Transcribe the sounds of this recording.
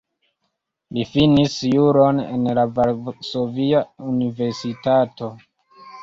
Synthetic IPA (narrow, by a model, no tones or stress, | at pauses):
lifinisjuɾo̞nḛnlavalso̞viaunive̞ɾsitato̞